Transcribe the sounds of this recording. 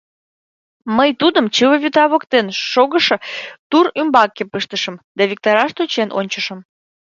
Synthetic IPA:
məjt̪ud̪əmt͡ɕɨwəβʲyt̪ɑβokt̪enʃoɣəʃɤt̪uɾymbɑkːepɨʃt̪əʃə̆md̪ɑβʲik̚t̪oɾɑʃt̪ot͡ɕenʔo̰nʲt͡ɕəʃə̆m

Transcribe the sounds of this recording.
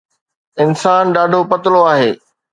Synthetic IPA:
ɪnsaːnɗaːɖʱopɐt̪ɪloaːɦeː

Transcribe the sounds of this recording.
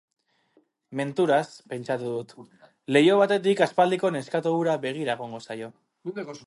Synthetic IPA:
me̞nt̪uɾaspe̞nt͡ʃat̪uðut̪ | le̞jo̞β̞at̪e̞t̪̬ikaspald̪iko̞ne̞skat̪oβuɾaβe̞ɣ̞iɾaeɣ̞oŋɡo̞sajo̞

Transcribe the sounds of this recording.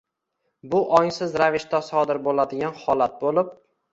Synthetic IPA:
bʊʔɒŋsɪzɾavɪʃt̪asɒd̪ɪɾbolad̪ɪɡʲanhɒlˠat̪̚bolɪp̚

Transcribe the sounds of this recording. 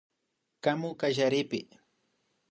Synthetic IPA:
kamʊkaʒaɾɪpɪ

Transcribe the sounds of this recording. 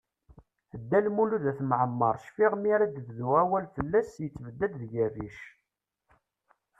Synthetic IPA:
əd̪ːælmuluðæθmʕəmːəɾˤʃfiʁmiɾæd̪əððuʁæwælfəlːæsjət͡sːvəd̪ːæd̪ðɡæviʃ

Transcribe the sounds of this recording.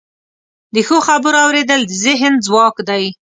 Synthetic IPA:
d̪əxoxabəɾɑwɾed̪əld̪əzɪɦənzwɑkd̪aj

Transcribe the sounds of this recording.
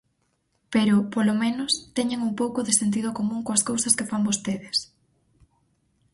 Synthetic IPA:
peɾʊpolomẽnʊst̪ɛɲeŋuŋpowkʊðɪsent̪̬ið̞ʊkomũŋkoɐskowsɐskefambost̪eðɪs

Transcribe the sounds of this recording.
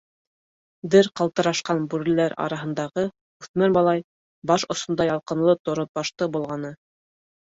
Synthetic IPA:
d̪ɘɾqɑlˠt̪ɤ̆ɾɑʃqɑnbʉɾɘ̆læɾɑ̰ɾɑɦɤ̆nd̪ɑʁɤ | ʉθmæɾbɑlˠɑj | bɑʃŏsŏnd̪ɑjɑlˠqɤ̆nlˠɤt̪ŏɾot̪̚bɑʃt̪ɤbŭlˠʁɑnɤ

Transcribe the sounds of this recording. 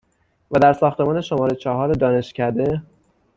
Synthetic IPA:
væd̪æɾsɒːxt̪e̞mɒːne̞ʃo̞mɒːɾet͡ʃʰɒɦɒːɾed̪ɒːne̞ʃcʰæd̪e̞

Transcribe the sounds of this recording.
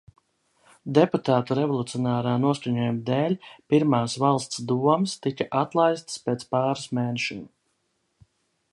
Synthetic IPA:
d̪eput̪aːt̪uɾɛvɔlˠut̪sijɔnaːɾaːnuɔskuɲɔjumd̪eːlʲpiɾmaːsvalˠst̪sd̪uɔmst̪ikaʔat̪lˠajst̪speːt̪spaːɾasmeːnɛʃɔ̰n

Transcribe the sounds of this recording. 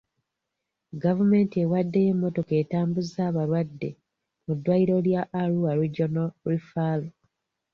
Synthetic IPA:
ɡavume̞ːntie̞wadːejemːo̞to̞ke̞ːtaːmbuzaːβaɾwadːe̞ | mudːwaiɾo̞ljaʔːɾuaɾiɟonoɾifalo

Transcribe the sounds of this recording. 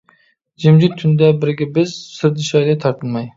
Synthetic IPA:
d͡ʒɪmd͡ʒɪt̪ʰːynd̪abɪɾɡʲɪbɪzsɪɾd̪ɪʃɑjlɪt̪ʰɑɾt̪ʰɨlˠmɑj

